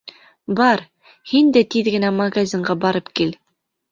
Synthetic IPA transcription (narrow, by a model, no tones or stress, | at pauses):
bɑɾ | hind̪æt̪iðɡɘ̆næmɐɡazʲiɴɢɑbɑɾɤpkil